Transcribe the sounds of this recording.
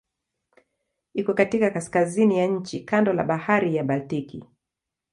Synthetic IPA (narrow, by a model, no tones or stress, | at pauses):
ikɔkatikakaskazinijaɲ̩t͡ʃikandɔla̰ɓahaɾijaɓaltikḭ